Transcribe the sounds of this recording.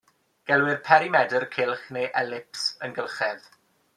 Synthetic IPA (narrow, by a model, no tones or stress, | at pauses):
ɡ̥ɛlˠwɪrpʰɛɾimɛdərkʰɪlˠχnejʔɛlɪpsənɡəlˠχɛð